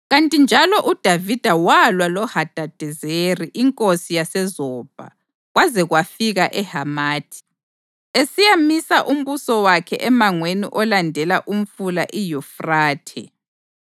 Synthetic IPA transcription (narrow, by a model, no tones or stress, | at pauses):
ɣantʼind͡ʒʱalɔʔud̥ʱavid̥ʱawalwalɔhad̥ʱad̥ʱɛzeriʔiŋkʼosijasɛzɔb̥ʱa̰ | ɣwazɛɣwafiɣaʔɛhamaːtʰi̥ | esijamisaʔum̩βusɔwakʰɛ̰ʔɛmaŋweniʔɔlandʱɛlaʔum̩fulaʔijufraːtʰɛ̰